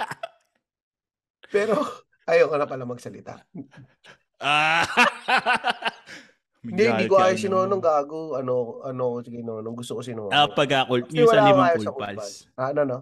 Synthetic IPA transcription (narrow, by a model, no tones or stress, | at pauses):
pɛːɾo | ʔɐjokonɐpɐlɐmɐɡsɐlɪt̪a̰ʔ | a | ɪnd̪id̪ik̬oʔaːjosɪnoːnoŋɡaːɡoɐnokʔɐnoɐkosɪɡɐjnonoŋɡʊst̪okosɪnoːapɐɡaklɛwɐlaːmaːjolsɐkʊpal | anono